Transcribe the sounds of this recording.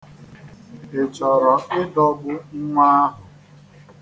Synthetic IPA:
ɪ˨t͡ʃɔ˨ɾɔ˨ɪ˦dɔ˦bʊ˦ŋ̩˦ŋʷa˦ɦʊ˨

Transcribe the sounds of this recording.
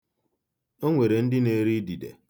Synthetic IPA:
o˦ŋʷe˨ɾe˨n̩˦dɪ˦ne˨ɾi˦di˨dḛ˨

